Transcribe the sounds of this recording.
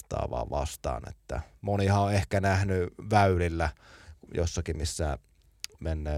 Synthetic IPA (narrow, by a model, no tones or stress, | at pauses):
t̪ɑ̰ːʋɑ̰ːʋɑ̰st̪ɑ̰ːnḛt̪ːæ̰monihɑoehkænæhnyʋæylilːæjo̰sːɑkimisːæ | menːeː